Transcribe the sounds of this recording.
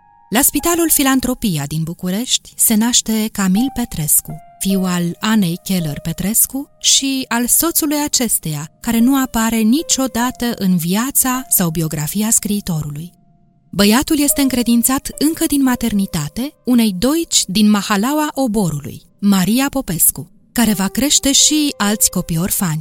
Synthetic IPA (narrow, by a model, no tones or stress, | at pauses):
laspit̪alulfilant̪ɾo̞piad̪inbukuɾe̞ʃt̪ʲse̞naʃt̪e̞kamilpe̞t̪ɾe̞skufiwalane̞jkʲe̞lerpe̞t̪ɾe̞skuʃialso̞t̪sulujat͡ʃe̞st̪e̞jakaɾe̞nuapaɾe̞nit͡ʃo̞d̪at̪əʔɨnviat̪sasawbio̞ɡɾafijaskɾiːt̪o̞ɾuluj | bəjat̪ulje̞st̪e̞ɨŋkɾe̞d̪int̪sat̪ɨŋkəd̪inmat̪e̞rnit̪at̪e̞une̞jd̪o̞it͡ʃʲd̪inmahalawaʔo̞bo̞ɾulṵj | maɾiapo̞pe̞sku | kaɾe̞vakɾe̞ʃt̪e̞ʃialt̪sʲko̞pio̞rfanʲ